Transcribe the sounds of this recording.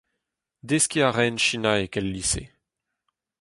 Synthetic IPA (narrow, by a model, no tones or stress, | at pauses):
d̪eskʲiaʁɛnʃinaekɛlːisḛ